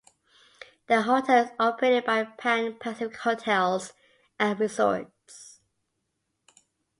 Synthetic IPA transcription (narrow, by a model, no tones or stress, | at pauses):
ðəɦɔtʰɛlˠzɔpʰəɹeɪtɪd̚baɪpʰæ̃npʰasɪɪkhoʊtʰɛlˠz | ə̃nɹɪsɔ̰ɹt | s